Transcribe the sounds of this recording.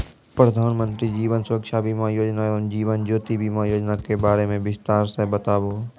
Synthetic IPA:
pɾəd̪ʱaːnmə̃nt̪ɾid͡ʒiːʋənsʊɾəkʃabʱimãjoːd͡ʒnaoːnd͡ʒiːʋənd͡ʒoːt̪ibʱimãjoːd͡ʒnakebaːɾemẽbɪst̪aːɾsẽbət̪aːboː

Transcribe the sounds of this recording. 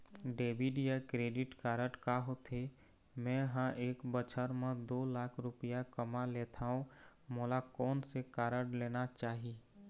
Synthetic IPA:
ɖeːbiɖjakɾeːɖɪʈkaːɾəʈkaːɦot̪ʰe | mɛ̃ɦãʔeːkbət͡ʃʰəɾmẽd̪oːlaːkʰɾʊpəjakəmaleːt̪ʰaːɦũ | moːlakɔːnsekaːɾəɖleːnat͡ʃaːɦie

